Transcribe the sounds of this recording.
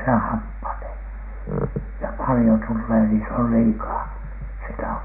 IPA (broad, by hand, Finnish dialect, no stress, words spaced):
se hɑpːɑneː jɑ pɑlĭjo tulːeː ni se ol liːkɑː se ei tɑhok